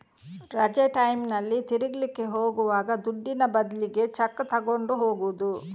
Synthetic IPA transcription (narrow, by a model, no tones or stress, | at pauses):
ɾɐd͡ʒeʈɐjmnɐlːit̪iɾiɡlike̞ɦoːɡuʋaːɡɐd̪uɖːinɐbɐd̪liɡe̞t͡ʃɐkːt̪ɐɡo̞ɳɖuɦo̞ːɡuud̪u